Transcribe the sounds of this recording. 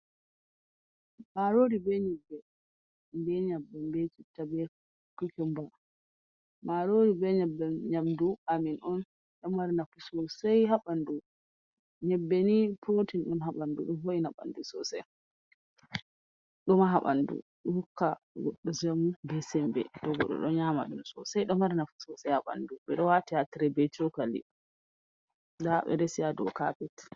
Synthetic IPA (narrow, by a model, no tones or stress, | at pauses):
maɾoɾibɛɲɛbːɛ | mbɛɲabːɛmbɛt͡ʃitːabɛ | kukɛmba | maɾoɾibɛɲɛbːɛɲamduaminɔn | ɗɔmːaɾnakusɔsɛjɦaɓandu | ɲɛbːɛnipʰotinɗɔnɦaɓandṵɗɔnvoinaɓa̰ndusɔsɛj | ɗɔmaɦaɓa̰ndṵɗɔhukːa | ɡɔɗːɔd͡ʒamubɛsɛmbɛ̰dɔɡɔ̰ɗɔ̰ɗɔɲama̰ɗunsɔ̰sajɗɔmaɾnafusɔwsɛjhaɓa̰nduɓɛɗɔwatihatiɾɛbɛt͡ʃɔkalḭ | daɓɛ̰dɛsijadɔkapɛt